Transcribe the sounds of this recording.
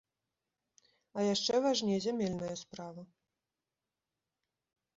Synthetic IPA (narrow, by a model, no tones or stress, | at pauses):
ɐjaʂt͡ʂɛvaʐnʲɛzʲamʲɛlʲnɐjɐspɾavɐ